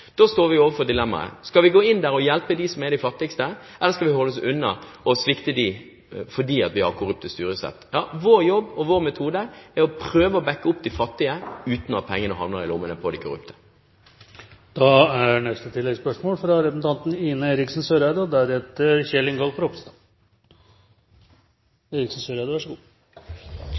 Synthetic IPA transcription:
d̪̥oːst̪oːɾʋɪoːʋəfɔʁd̪ɪlɛmːɑ̰ɾə̰skɑlʋɪɡoːɪnd̪æɾɔjɛlpəd̪isɔmɛd̪æɪfɑt̪ːɪɡst̪ə | ɛlːəɾskɑlʋɪhɔlːɔsʉnːə | ɔsʋɪkt̪əd̪i | fɔɖiːɑt̪ʋɪhɑɾkʰʊɾʉp̚t̪əst̪yːɾəsɛ̰t̪ːjɑːʋoːɾjɔbːɔʋoːɾmɛt̪ʰuːd̪əɛɔpʰɾøːʋəɔbɛkːəʊpd̪ifɑt̪ːɪəʉːt̪nɑt̪̚pʰɛŋːənəɦɑ̰nləɾɪlʊmːənəpʰɔd̪ikʰʊɾʉ̰pt̪ʰə̥ | d̪̥ɑæɳɛst̪ət̪ʰɪlːɛɡspœʂmoːlfɾɑɾɛpnt̪ʰɑnt̪niːnəeːɾɪksn̩søɾæɪd̪ɔd̪æɾɛt̪ːəɾçɛlɪŋɡɔlfɾɔpst̪ɑ | eːɾɪksn̩søːɾæːd̪əʋæʂəɡuː

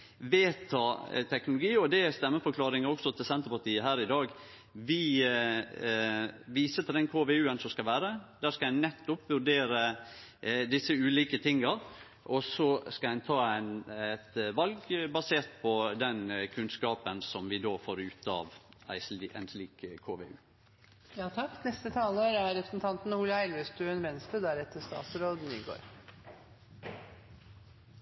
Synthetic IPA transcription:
ʋeːt̪ʰɑːt̪ʰɛknʊlʊɡiːɔd̪ɛst̪ɛmːəfɔɾkʰlɑːɾɪŋəɾɔksɔt̪ʰɪlsɛnt̪əɾpɑʈ̪ʰiːəɦæːɾɪd̪ɑːɡ | ʋɪ | ʋiːsət̪ʰɪld̪ɛnkʰoːʋeːʉːənsɔmskɑlʋæːɾəd̪æːskɑæɪnnɛt̪ːʊpʋʉɖeːɾə | d̪ɪsːəʉːliːkət̪ʰɪŋːəɾ | ʔɔsɔskɑæɪnt̪ʰɑːæɪnɛt̪ʋɑlɡbɑseːɾt̪pʰɔd̪ɛnkʰʉnskɑːpənsɔmʋɪd̪oːfoːɾʉːt̪ɑ̰ːʋæ̰ɪʔæ̰ɪnsliːkkʰːoːʋḛːʉː | jɑːt̪ʰɑkːnɛst̪ət̪ʰɑːləːɾæɾɾɛpɾsn̩t̪ʰɑnt̪n̩huːləæɪlʋest̪ʉɛnʋɛnst̪əd̪æɾɛt̪ːəst̪ɑ̰ːt̪sɾoːd̪n̩ɪnɡo̰ːɾ

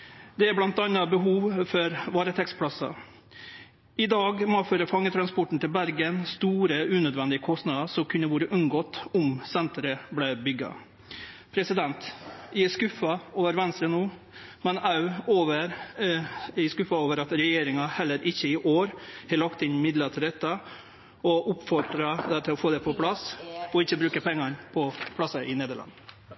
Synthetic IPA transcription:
d̪ɛæɾblɑnt̪ɑnːɑbəɦuːʋfɔɾʋɑːɾət̪ʰɛkspʰlɑsɑ̰ | ʔɪd̪ɑːɡmɔføːɾəfɑŋːət̪ʰɾɑnspɔʈɳ̩t̪ɪlbæɾɡənst̪uːɾəʉːnøːd̪ʋɛnd̪ɪəkʰɔst̪nɑːd̪əsɔmkʰʉnːəʋuːɾəʔʉnɡɔːt̪ɔmsɛnt̪ɾəblɛbʏɡːɑ̰ | pʰɾɛsɪd̪ɛnt̪jɪskʉfɑoːʋəɾʋɛnst̪ɾənuː | mɛnɑʉoːʋəɾ | ɪskʉfɑoːʋəɾɑt̪ɾɛjeːɾɪŋɑhɛlːəɾʔɪçːəɪʔoːɾhɛlɑkt̪ɪnmɪd̪lət̪ʰɪld̪ɛt̪ːə | ɔʔʊpfɔʈɾɑd̪ɛt̪ʰɪlɔfoːd̪ɛpʰɔpʰlɑsɔɪçːəbɾʉːkəpʰɛŋːɑɾpʰɔpʰlɑsɑʔɪneːd̪əɭɑ̰nːə

